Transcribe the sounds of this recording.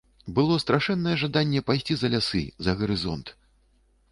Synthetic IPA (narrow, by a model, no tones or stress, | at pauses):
bɨlˠɔst̪ɾaʂɛnːɐjɛʐad̪anʲːɛpajsʲt͡sʲizɐlʲasɨ̰zɐɣɐɾɨzɔ̰nt̪